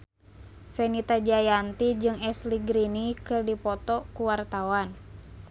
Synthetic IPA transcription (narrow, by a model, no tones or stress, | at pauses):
fɛnit̪ad͡ʒajant̪id͡ʒɨŋɛsliɡɾinikɨrdipɔt̪ɔkuwart̪awan